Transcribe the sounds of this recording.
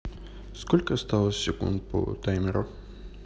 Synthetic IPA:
skolʲkəst̪alˠəsːʲɪkṵnt̪̚pʰo̰t̪ajmʲɪɾʊ

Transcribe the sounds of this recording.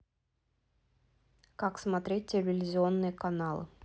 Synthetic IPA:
kaksmɐt̪ɾʲet̚ʲtʲɪlʲvʲɪlʲɪzʲɪo̞nːɨjəkɐnalˠɨ̰

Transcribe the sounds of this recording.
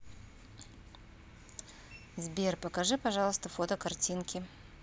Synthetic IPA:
zbʲerpəkɐʐɨpɐʐɑlˠəst̪əfot̪əkɐrtʲinkʲɪ

